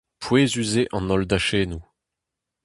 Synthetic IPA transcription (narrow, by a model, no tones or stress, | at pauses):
pʰweːzyzeʔɑ̃nɔld̪aʃeːnu